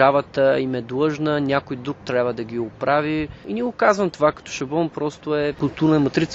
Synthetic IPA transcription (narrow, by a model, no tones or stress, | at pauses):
avət̪əimɛd̪lɤʒnənʲakojd̪ɾuk̚t̪ɾʲabvəd̪ɐɡʲiʊpɾaviinʲiɛɡʊkazvəmt̪ovakɐ̥t̪ɔ̥ʃɐbɔmpɾɔst̪ʊɛkʊlˠt̪uɾnəmɐt̪ɾit̪s